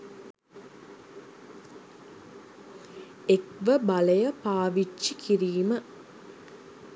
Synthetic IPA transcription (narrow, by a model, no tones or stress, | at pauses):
ekʋəbaləjəpaːʋit͡ʃːikʰiɾiːmə